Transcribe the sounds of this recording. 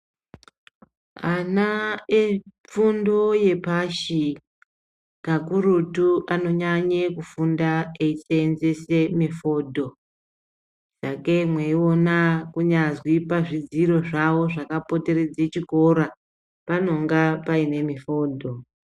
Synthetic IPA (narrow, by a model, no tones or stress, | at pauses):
anae | p͡fundo̞je̞paʃi | kakuɾutuʔano̞ɲaɲekufundaeiseːnd͡ze̞se̞mifo̞ːdʱo̞ | sakemweio̞nakuɲazwipaʐid͡ziɾo̞ʐaʋo̞ʐakapo̞te̞ɾed͡zet͡ʃiko̞ɾa | pano̞ŋɡapaine̞mifo̞ːdʱo̞